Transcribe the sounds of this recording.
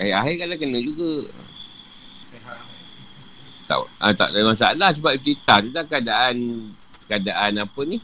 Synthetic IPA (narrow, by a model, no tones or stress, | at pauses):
aiaɦikalakənə̃d͡ʒuɡə̰ | t̪a̰ʔə̰t̪a̰ʔdalimasaalahsəbap̚t͡ʃɾit̪aht̪udakəadaʔan | kadaʔanapənih